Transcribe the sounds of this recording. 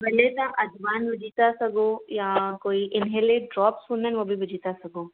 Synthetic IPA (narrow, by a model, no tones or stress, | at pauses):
bɐlet̪ãʔɐd̪ʋaːnʋɐd͡ʒʱiːt̪asɐɡoːjãkoːiʔɪnɦeːleɖɾɔːpsɦunənʋobʱibʱəd͡ʒʱiːt̪asɐɡoː